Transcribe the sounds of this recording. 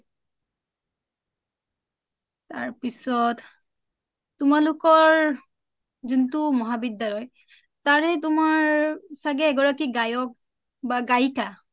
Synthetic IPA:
taɹpisɔt | tʊmalʊkɔɹ | zuntʊmɔɦabidːalɔj | taɹɛtʊmaɹsaɡɛːɡɔɹakiɡajɔk̚ | baɡajka

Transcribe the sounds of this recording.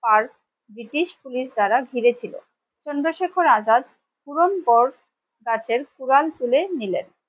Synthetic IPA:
paɾ | bɾiʈiʃpuliʃd̪aɾaɡʱiɾet͡ɕʰilo̰ | t͡ɕɔnd̪ɾoʃekʰoɾad͡ʑat̪̚ | puɾompɔɾ | ɡat͡ɕʰeɾkuɾalt̪ulenilḛn

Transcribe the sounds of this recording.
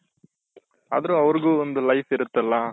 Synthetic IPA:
ɐ̰ðɐɾʊ̃ɐʋɐɾɯɣɯɔnd̪ɯlɐɪfɪɾɯt̪ːɐlːãː

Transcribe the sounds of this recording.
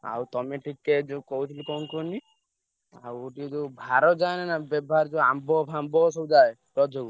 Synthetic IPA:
a̰wt̪ɔmeʈʰikːed͡ʒokɔut̪ʰilikɔnkoni | a̰woʈid͡ʒobʱaɾɔd͡ʒajnɛnabɛbʱaɾd͡ʒoambɔpʰambɔsɔbd͡ʒae | ɾɔd͡ʒʱoɡ

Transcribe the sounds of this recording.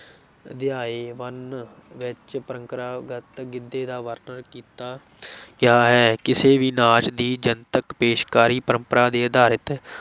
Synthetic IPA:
d̪ɪjaːeːʋənʋɪt͡ʃpəɾəŋkəɾaːɡət̪ɡɪd̪ːeːd̪aːʋəɾnəɾkiːt̪aː | ɡɪaːɦɛːkɪseːʋiːnaːt͡ʃd̪iːd͡ʒənt̪əkpeːʃkaːɾiːpəɾəmpəɾaːd̪eːəd̪aːɾət̪ɛː

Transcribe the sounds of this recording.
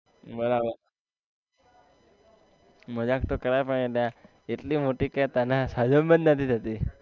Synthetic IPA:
bəɾaba | m̤əd͡ʑaːk̚t̪okəɾajpəɳet̪ja | it̪liːmoʈiːkajt̪anasad͡ʒəmbənd̪nat̪ʰit̪at̪i

